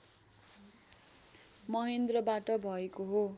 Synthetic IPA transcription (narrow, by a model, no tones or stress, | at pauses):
mʌɦend̪rʌbaʈʌbʱʌekoɦo